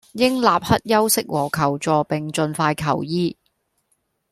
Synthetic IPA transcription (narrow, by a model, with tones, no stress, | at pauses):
jɪ˥ŋlaː˨p̚hɐ˥t̚jɐ˥wsɪ˥k̚wɔː˨˩kʰɐ˨˩wt͡ʃɔː˨˧pɪ˨ŋt͡ʃɵ˧nfaː˧jkʰɐ˨˩wjiː˥